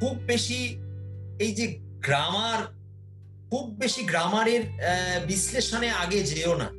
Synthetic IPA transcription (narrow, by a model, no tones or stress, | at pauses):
kʰub̚ːeʃi | ejd͡ʑe | ɡɾamaɾ | kʰub̚ːeʃiɡɾamaɾeɾbisleʃoneaɡed͡ʑeona̰